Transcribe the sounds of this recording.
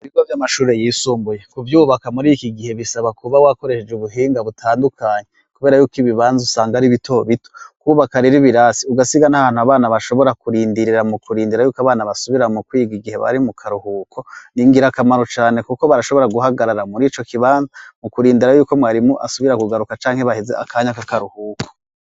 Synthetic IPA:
uiɡavjamaʃuːɾe̞jiːsuːmbujekuvjuːβakamuɾikiɡihe̞βisaβakuβawako̞ɾe̞ʃed͡ʒuβuɦiːŋɡaβutʰaːndukʰaːɲe | kuβe̞ɾajuːkiβiβaːnzusaːŋɡaɾiβitʰo̞βitokuːβakaɾiɾiβiɾasiuɡasiɡanahaːnhuaβaːnaβaʃo̞βo̞ɾakuɾiːndiɾiɾamukuɾiːndiɾajuːkoaβaːnaβasuβiɾamukwiɡiɡihe̞βa̰ɾimukʰaɾuhuːkʰo̞niŋɡiɾakamaɾo̞t͡ʃaːne̞kukoβaɾaʃo̞βo̞ɾaɡuɦaɡaɾaɾamuɾiːt͡ʃo̞kiβaːnzamukuɾiːndiɾajuːko̞mwaːɾimuʔa̰suβiɾakuɡaɾukat͡ʃaːŋ̥he̞βahezḛʔa̰kʰaɲakakaɾuhuːkʰo

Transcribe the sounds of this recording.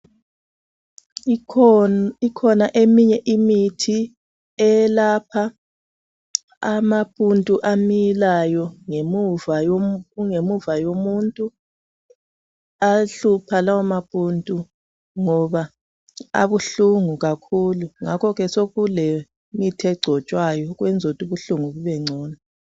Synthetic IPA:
ikʰɔnaʔemiɲɛʔimitʰi | ɛlapʰa | amapʼuntʼuʔamilajɔŋemuvajoŋemuvajomuntʼu | aɬupʰalawamapʼuntʼu | ŋɔβa | a̰βuɬuŋuɣakʰuluŋakʰɔɣɛsoɣule | mitʰiɛɡ͡ǀʱɔt͡ʃʼwajɔɣwɛnd͡zʱotʼuβuɬuŋuβuβɛŋ͡ǀʱɔːna

